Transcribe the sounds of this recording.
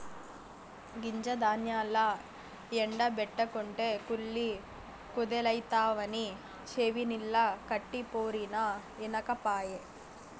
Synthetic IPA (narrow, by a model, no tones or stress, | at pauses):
ɡiɲd͡ʒɐd̪aːnjaːlːɐ | eɳɖɐbɛʈːɐkoɳʈekuɭːi | kud̪elɐjt̪aːʋɐni | t͡ʃeʋinilːɐkɐʈːipoːɾinɐ | enɐkɐpaːje